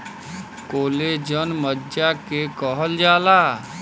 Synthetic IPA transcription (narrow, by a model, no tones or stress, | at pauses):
koːled͡ʒənməd͡ʒakekɔɦəld͡ʒaːlaː